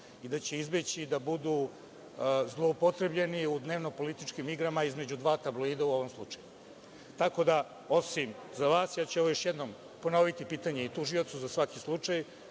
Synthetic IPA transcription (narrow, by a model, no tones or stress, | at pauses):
id̪at͡ɕe̞izbet͡ɕid̪abud̪u | zlˠoːpot̪ɾe̞bʎe̞niud̪ne̞ːʋno̞po̞lit̪it͡ʃkimiɡɾamaizme̞d͡ʑud̪ʋaːt̪ablˠoiːd̪auo̞ʋo̞mslˠut͡ʂaju | t̪ako̞d̪a | o̞simzaʋaːsjaːt͡ɕuɛʋojo̞ʃjed̪nom | po̞no̞ʋit̪ipiːt̪aɲe̞it̪uʒio̞t̪suzasʋakislˠut͡ʂaj